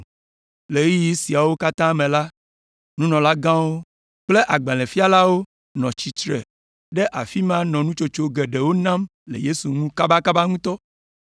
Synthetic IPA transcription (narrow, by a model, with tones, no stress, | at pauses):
le˨˦i˦ji˦si˨a˨wo˦ka˦t̪ã˦mẽ˨la˦ | nũ˦nɔ̃˨la˦ɡã˦wo˦ | k͡ple˦ʔa˨ɡ͡bẽ˨lɛ̃˨fi˦a˦la˦wo˦ | nɔ̃˨t͡ɕi˨t͡ʃɾɛ̰˨ | ɖe˦ʔa˨fi˦mã˦nɔ̃˨nũ˦t͡ʃo˦t͡ʃo˦ɡe˨ɖe˨wo˦nã˦mlḛ˨je˦su˨ŋũ˦ka˦ba˦ka˦ba˦ŋũ˦t̪ɔ˦